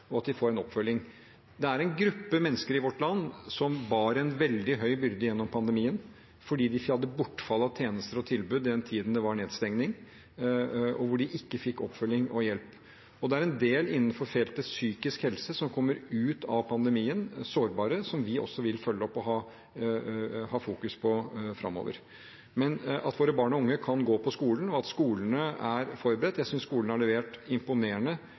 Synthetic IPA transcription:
ɔɑt̪̚d̪ɪfoːɾɛnɔpːfœljɪŋ | d̪ɛæɾɛnɡɾʉpːəmɛnːəskəɾɪʋɔʈːlɑnːsɔmbɑːɾɛnʋɛld̪ɪɦœʏbʏɾd̪əjɛnːɔmpʰɑnd̪əmiːən | fɔɖiːd̪ɪfhɑld̪əbʊʈːfɑlːɑt̪ʰjeːnəst̪əɾɔt̪ʰɪlbʉːd̪ɪd̪ɛnt̪ʰiːd̪n̩d̪ɛʋɑɳeːd̪st̪ɛŋnɪŋ | ɔʋʊɖɪʔɪkːəfɪkːɔpːfœljɪŋɔjɛlp | ɔd̪ɛæɾɛnd̪eːlɪnːnfɔɾfɛlt̪əsyːkɪskhɛlsəsɔmkʰɔmːəɾʉːt̪ʰɑʋpʰɑnd̪əmiːənsoːɾbɑːɾəsɔmʋɪɔ̰sːɔʋɪlfœlːəɔpːɔɦɑː | hɑːfuːkʉspʰɔfɾɑ̰mːo̰ːʋə̰ɾ | mɛnɑ̰t̪ʋoːɾəbɑːɳɔʊŋːəkʰɑnɡoːpʰɔskuːlən̩ɔɑt̪skuːlənəæɾfɔɾbəɾɛt̪ːjæɪsʏnskuːlənəæɭɛʋeːʈɪmpʊneːəɳə

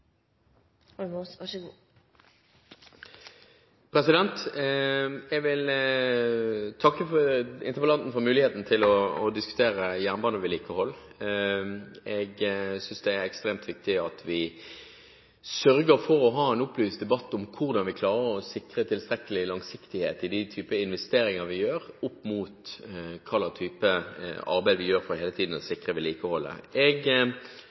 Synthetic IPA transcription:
mosɑɡuː | pʰʁɛsɪd̪ɛnt̪ | ɛɡʋɪl | t̪ʰɑkːəfɔɪ̰nt̪əʁʋəlɑnt̪n̩fɔʁmʉːlɪheːt̪n̩t̪ʰɪlɔːd̪ɪskʉ̥t̪ʰeːʁəjæʁnbɑːnəʋɪliːkəhɔlː | ɛɡsʏnsd̪ɛæɾɛkst̪ɾeːmt̪ʋɪk̚t̪ɪɑt̪ʋɪ | sœɾɡəɾfɔɾɔɦɑːɛnʊplyːsd̪ɛbɑt̪ːɔmkʰʊʁd̪ɑnʋɪkʰlɑːɾəɾɔsɪkʁət̪ʰɪlst̪ɾɛkəlɪlɑŋsɪkt̪ɪheːt̪ɪd̪ɪt̪ʰyːpəɪnʋɛst̪eːɾɪŋəʁʋɪjøːɾʊpːmuːt̪kʰɑlːɑt̪ʰyːpəɑ̰ʁbæɪʋɪjøːɾfʁɔheːlət̪ʰiːd̪n̩ɔsɪkʁəʋɪliːkəhɔlːə̰ɛɡ

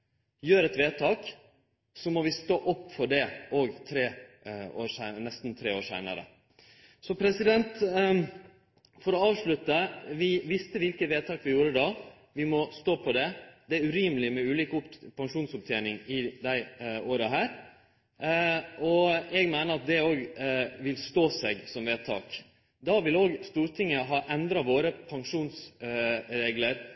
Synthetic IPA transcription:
jøːɾɛt̪ʋeːt̪ʰɑːk | sɔmɔʋɪst̪oːʔɔpːfɔɖɛʔoːɡt̪ʰɾeː | o̰ːsæɪnɛst̪n̩t̪ʰɾeːoːɾʂæ̰ɪnɑ̰ɾə̰ | sɔpʰɾɛsɪd̪ɛnt̪ | fɔɾɔɑːʋʂɭʉt̪əʋɪʋɪst̪əʋɪlkət̪ʋeːt̪ʰɑːkʋɪjuːɾəd̪ɑ | ʋɪmɔst̪oːpʰɔd̪ɛd̪ɛæɾʉɾiːməlɪmɛʉːliːkəʊpʰɑŋʂuːnsʊp̚t̪ʰjenɪŋɪd̪æɪoːɾəɦæːɾ | ʔɔɛɡmæɪnəɾɑt̪̚d̪ɛoːɡʋɪlst̪oːsɛɡsɔmʋeːt̪ʰɑ̰ːk | d̪ɑʋɪloːɡst̪uːɾʈ̪ʰɪŋːəɦɑːʔɛnd̪ɾɑʋoːɾəpʰɑŋʂuːns | ɾeːɡləɾ

